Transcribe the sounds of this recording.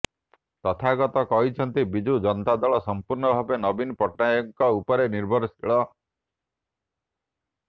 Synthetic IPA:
t̪ɔt̪ʰaɡɔt̪ɔkɔɦit͡ʃʰɔnt̪ibid͡ʒud͡ʒɔnt̪ad̪ɔɭɔsɔmpuɾnɔbʱabenɔbinpɔʈnajɔŋkɔupɔɾeniɾbʱɔɾsʰiɭɔ

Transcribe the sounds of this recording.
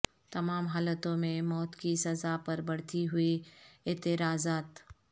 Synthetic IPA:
t̪ɐmaːmɦaːlət̪õmẽmɔːt̪kisɐzapɐɾbɐɽt̪iɦʊiɪːt̪ɪɾaːzaːt̪

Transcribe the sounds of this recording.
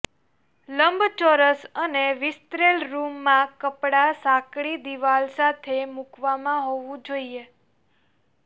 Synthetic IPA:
ləmbʱt͡ʃoɾəsəneʋɪst̪ɾelɾumːãkəpɽasãkɽid̪iʋalsat̪ʰemukʋamãɦoʋũd͡ʒoie

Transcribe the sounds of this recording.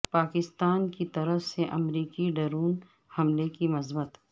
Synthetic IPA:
paːkɪst̪aːnkit̪ɐɾəfseʔɐmɾiːkiɖɐɾuːn | hɐmlekimɐzbət̪

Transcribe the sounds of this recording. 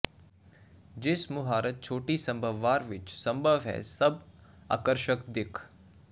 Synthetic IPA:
d͡ʒɪsmʊɦaːɾət̪̚t͡ʃʰoːʈisɐ̃mbʱəʋːaːɾʋɪt͡ʃsɐ̃mbʱəʋɦɛ̰sɐb | a̰ːkəɾʃəkd̪ɪkʰ

